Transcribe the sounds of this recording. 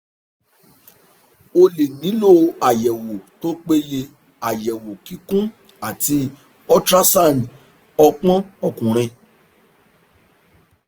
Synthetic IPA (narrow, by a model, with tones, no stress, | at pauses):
o˧le˨nĩ˨˦lo˦˨a˨jɛ˨wo˨to˦k͡pe˦je˧ | a˨jɛ˨wo˨ki˨˧kũ˦ | a˨ti˧˦ | ɔ˦tɾa˦sa˦˨n˨ | ɔ˧k͡pɔ̃˦ɔ˦˨kũ˨ɾ̃ɛ̃˧